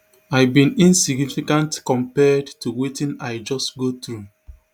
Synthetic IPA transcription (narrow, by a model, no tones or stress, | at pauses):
aɪbĩnĩnsiɡnifikãntkɔ̃mpɛdtuwetĩnaɪd͡ʒɔstɡotɹu